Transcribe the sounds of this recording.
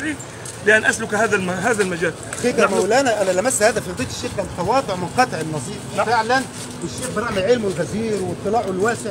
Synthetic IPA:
iː | lɪʔanːʔaslʊkhaːðæɦaːðælmad͡ʒaːlxiːk̪æmawlʔænæʔænælæmæsːhaːd̪æfid̪ˤiːt̪ɪ̥ʃːeːxkant̪ɑwɑːt̪ˤʊʕmʊnqɑt̪ˤeʕɪnːɑzˤiːffɪʕlæn | wɪʃːeːxbɪɾˤɑʕmɪʕɪlmwɪlɣæziːɾwɪt̪ˤːɨlɑːʕʊɪlwæːsɪʕ

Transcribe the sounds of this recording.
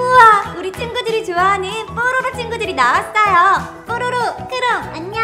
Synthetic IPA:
uauɾit͡ɕ͈ʰɯŋɡudɯɾit͡ɕoanip͈ʰoɾoɾot͡ɕ͈ʰɯŋɡudɯɾinaas͈ʌjʌ | p͈oɾoɾokɯɾʌaɲ

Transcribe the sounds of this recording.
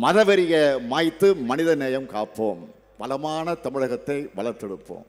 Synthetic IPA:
mɐðɐʋɐɾɪjɐmaːjt̪ːɯmɐnɪðɐneːjɐmkaːpːoːm | pɐlɐmaːnɐt̪ɐmɪɻɐɣɐt̪ːɐɪʋɐlɐɾt̪ːɛɽɯpːo̰ːm

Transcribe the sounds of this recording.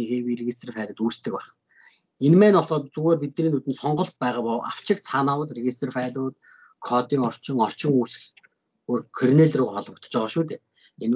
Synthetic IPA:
ixeːwiːreɣʲist̪ʰrfæːɮʊ̆t̪uːst̪ʰɘ̆k̚paχ | enmæːnɔɮɔːt̪t͡suɣeːrpit̪nɾiːnːut̪ɘ̆nsɔɴɢɞ̆ɬt̪̚pæːʁaːpɔːa̰w̥t͡ɕɪ̆k̚t͡sʰaːnaːwə̆ɮreɣʲist̪ʰrfæːɮʊːt̪ | kʰɔːt̪iːŋɔr̥t͡ɕɪ̆ŋɔr̥t͡ɕɪ̆ŋuːsɘ̥̆x | oːrkʰɔrneɮruːɔɮwə̆k̚t̪ə̥̆t͡ɕpæːʁaːʃuːt̪ʰeː | en

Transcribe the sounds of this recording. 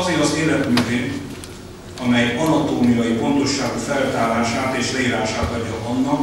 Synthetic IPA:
zeːɾɒzeːlɛt̪myːveːn | ɒmɛjɒnɒt̪oːmijɒjifo̞nt̪o̞ʃːaːɡufɛlt̪aːlaːʃaːt̪eːʃlɛiɾaːʃaːt̪ɒd̪ɒɒnːɒk

